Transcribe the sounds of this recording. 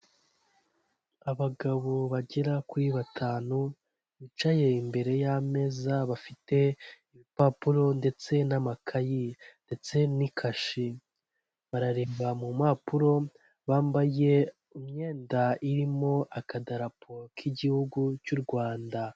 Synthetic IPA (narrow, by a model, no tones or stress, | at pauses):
aβaɡaβoβaɟeɾakuɾiβatʰaːnu | βit͡ʃaje̞imbe̞ɾe̞jame̞zaβafite̞iβipaːpuɾo̞nde̞t͡se̞namakʰajinde̞t͡se̞nikʰaʃi | βaɾaɾeːβamumapuɾo̞ | βaːmbaje̞ | umɲe̞ːndaiɾimo̞ʔakadaɾapʰokʰiɟihuɡut͡ʃuɾɡwaːnda